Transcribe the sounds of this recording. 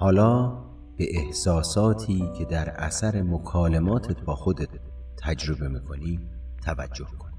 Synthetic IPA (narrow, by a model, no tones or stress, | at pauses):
hɒːlɒː | b̥e̞ʔehsɒːsɒːt̪ʰiːcʰe̞d̪æɾʔæ̰sæɾemokʰɒːlemɒːt̪ʰet̪̚ʰbɒːxod̪et̪ʰː | æd͡ʒɾo̞be̞miːkʰo̞niː | t̪ʰævæ̰d͡ʒːo̞hkʰoni̥